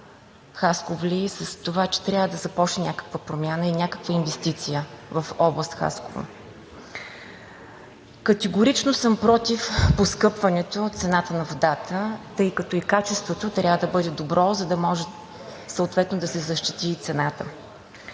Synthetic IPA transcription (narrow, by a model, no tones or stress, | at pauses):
xaskovlʲisəst̪ovat͡ʃɛ̥t̪ɾʲjavəd̪ɐzɐpɔt͡ʃnɛnʲakə̥kvəpɾomʲjanəinʲakə̥kvəinvɛst̪it̪sijəvɐfɔblˠəst̪xa̰sko̰vo̰ | kɐt̪ɛɡoɾit͡ʃnosɤmpɾɔt̪ifposkɤpvɐnɛt̪ot̪sɛnat̪ənɐvod̪at̪ət̪ɤjkɐt̪ɔikat͡ʃɛst̪vot̪ot̪ɾʲjavəd̪ɐbɤd̪ɛd̪obɾɔzɐd̪ɐmɔʒɛ | səot̪vɛt̪nod̪ɐsɛzɐʃt̪it̪it̪sɛnat̪ə